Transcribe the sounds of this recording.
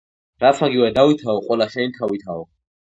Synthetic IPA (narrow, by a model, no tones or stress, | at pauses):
ɾat̪sʰaɡiwɛd̪awit̪ʰaɔqʼwɛlaʃɛnit̪ʰawit̪ʰaɔ